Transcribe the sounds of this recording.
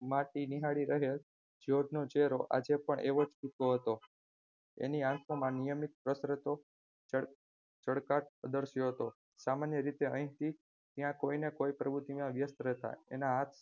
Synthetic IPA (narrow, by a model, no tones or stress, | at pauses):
maʈiniɦaɽiɾəɦel | d͡ʒoɖnot͡ʃeɾoʔa̰d͡ʒepəɳʔeʋod͡ʒput̪oɦət̪o | ḛniãkʰomãnijəmit̪̚pɾəsɾət̪o | t͡ʃəɽkaʈ̚əd̪əɾʃjoɦət̪o | samanjəɾit̪eə̃ĩt̪ʰi | t̪jãkoinekoipɾəbʱut̪imãʋjəst̪ɾɛɦt̪a̰ḛnaɦat̪ʰ